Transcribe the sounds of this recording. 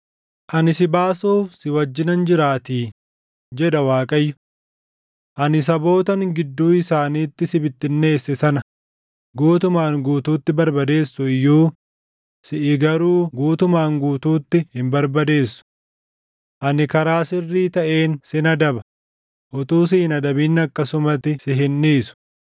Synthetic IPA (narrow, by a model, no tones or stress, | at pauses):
ʔɐnɪsɪbaːsoːfsɪwɐd͡ʒːɪnɐnd͡ʒɪɾaːt̪iː | d͡ʒɛᶑɐwaːkʼɐjːʊ | ʔɐnɪs̬ɐbo̞ːt̪ɐŋɡɪd̪ːuːɪsaːniːt̪ːɪsɪbɪt̪ːɪnːe̞ːsːɛsɐnɐ | ɡuːt̪ʊmaːŋɡuːt̪uːt̪ːɪbɐɾbɐd̪e̞ːsːʊɪjːuː | sɪʔɪɡɐɾuːɡuːt̪ʊmaːŋɡuːt̪uːt̪ːɪhɪmbɐɾbɐd̪e̞ːsːʊ̥ | ʔɐnɪkɐɾaːsɪrːiːt̪ɐʔe̞ːnsɪnɐd̪ɐbɐ | ʔɔt̪uːs̬ɪhɪnɐd̪ɐbinːɐkːɐsʊmɐt̪ːɪsɪɦɪnːiːsʊ̥